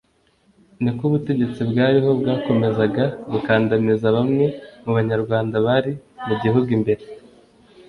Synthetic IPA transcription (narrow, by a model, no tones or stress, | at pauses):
nikuβute̞ɟe̞t͡sibɡaːɾiɦo̞bɡaːko̞me̞zaɡaβukaːndamizaβamŋe̞muβaɲaɾɡwaːndaβaɾimuɟiɦuɡwimbe̞ɾe